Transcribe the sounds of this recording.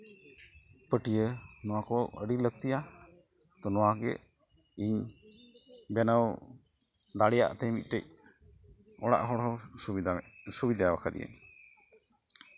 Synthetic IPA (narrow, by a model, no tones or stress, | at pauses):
pəʈijənɔwakɔəɖilək̚t̪ija | t̪ɔnɔwaɡɛ̰ | iɲ | bɛnəw | d̪aɽɛja̰ʔt̪ɛjmit̪̚ˀʈɛc̚ | ɔɽa̰ʔɦɔɽɦɔisubid̪ajabakʰad̪ḭja̰ɲ